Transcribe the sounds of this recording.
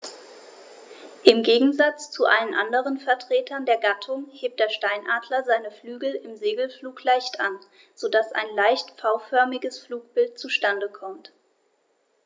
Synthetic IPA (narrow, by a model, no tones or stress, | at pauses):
ʔɪmɡeːɡŋ̩zat͡st͡suʔalənʔa̰ndəʁ̞ənfɛɐtʁ̥eːtʰɐndeːɐɡatʰʊŋheːp̚td̥eːɐʃtaɪnʔaːdlɐzaɪnəflyːɡl̩ɪmzeːɡl̩fluːklaɪçtʔa̰n | z̥odasʔa̰ɪnlaɪçtfaʊfœɐmɪɡəsfluːk̚b̥ɪlt̚t͡suʃtandəkʰɔmt